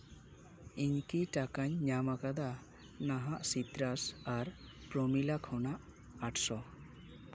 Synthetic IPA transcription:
iɲkiʈakaɲɲamakad̪a | naɦaʔsit̪ɾasaɾ | pɾɔmilakʰɔnaʔ | aʈʰsɔ

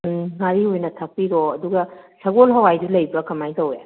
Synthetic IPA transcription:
ŋaɾihojnɐtʰak̚piɾoɐduɡɐsɐɡolɦɐwajdulɐjbɐkɐmajtɐwe

